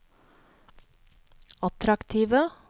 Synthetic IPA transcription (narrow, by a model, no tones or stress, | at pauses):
ɑt̪ɾɑkt̪ʰiːʋə